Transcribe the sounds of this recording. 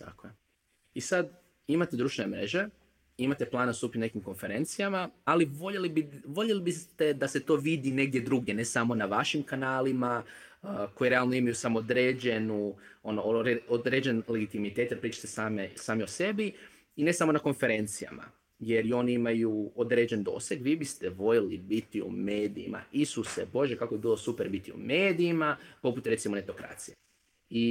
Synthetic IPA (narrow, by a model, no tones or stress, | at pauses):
t̪ʰa̰koje | isad̪ | imat̪ed̪ɾuːʃt̪ʋenemɾe̞ʒe̞ | imat̪e̞plˠaːnast̪uːpine̞kimko̞nfe̞ɾe̞nt̪sijamaaliʋoʎelibiʋo̞ʎelibist̪e̞d̪ase̞t̪o̞ːʋid̪ine̞ɡ̚d̪je̞d̪ɾuɡjene̞samo̞naʋaʃimkanaːlima | ko̞jiɾe̞alˠno̞imajusamood̪ɾeːd͡ʑe̞nuo̞noɾeod̪ɾeːd͡ʑe̞nle̞ɡit̪imit̪et̪jeɾpɾiːt͡ʃḁt̪esaːmesaːmiose̞bi | ine̞samo̞nako̞nfe̞ɾe̞nt̪sija̰ma̰ | je̞ɾjo̞niimajuod̪ɾe̞d͡ʑend̪o̞̰seɡʋiːbist̪eʋo̞ʎelibit̪iṵmeːd̪ḭḭma̰isusebo̞ʒje̞kako̞bibiːlˠo̞supeɾbit̪iṵme̞ːd̪iːmapo̞put̪ɾe̞t̪simone̞t̪o̞kɾa̰ːt̪sije | i